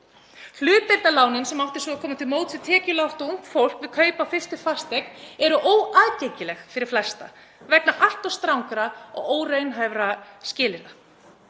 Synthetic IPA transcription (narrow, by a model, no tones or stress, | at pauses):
l̥ʏːt̪ejɾt̪nalaːwnʏnsɛmawft̪ɪ̥ɾ̥sɔakʰɔːmat̪ʰɪlmoːwt̪ʰɪðt̪ʰɛːcɪlawht̪ɔuŋ̥kfowl̥kvɪðkʰœːɥjpawfɪ̥st̪ʏfar̥st̪ɛk̚nɛɾʏʔoːwaːðcejcɪlɛxfɪɾɪɾ̥flɛst̪a̰ | vɛk̚naʔal̥t̪ɔst̪ɾawŋkɾaɔ̰ɣoːwreɥnɦajvɾascɪːlɪɾa